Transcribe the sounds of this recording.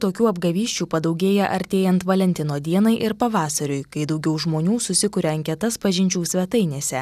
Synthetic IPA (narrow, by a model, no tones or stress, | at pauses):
t̪oːkʲuːɐbɡɐʋʲiːʃʲt͡ʃʲuːpɐd̪ɒʊɡʲeːjɛʔɐɾʲt̪ʲeːjɛnt̪ʋɐlʲɛnʲt̪ʲɪnoːd̪ʲiɛnɐɪʔɪɾpɐʋɑːsɐɾʲʊɪkɐɪd̪ɐʊɡʲɛʊʒmoːnʲuːsʊsʲɪkʊɾʲɛɐŋʲkʲɛt̪ɐspɐʒʲɪnʲt͡ʃʲuːsʲʋʲɛt̪ɐɪnʲeːsʲɛ